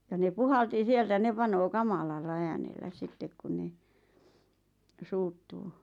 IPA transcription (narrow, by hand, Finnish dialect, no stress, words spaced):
jɑ ne puhɑlti sieltæ ne pɑnoː kɑmɑlɑlːɑ æːnelːæ sitːek kun ne suːtːuː